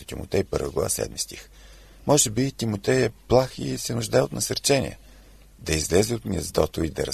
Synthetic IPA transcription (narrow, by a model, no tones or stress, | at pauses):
ət̪imʊ̰t̪ɛjpɤɾvə̰ɡlˠɐ̰va̰sɛ̰d̪mist̪ix | mɔʒɛbit̪imot̪ɛjɛplˠaxisɛnʊʒd̪aɛot̪nɐsɐɾt͡ʃɛnḭə̰ | d̪ɐizlɛzɛot̪mʲiəzd̪ɔt̪oid̪ɐɾɐ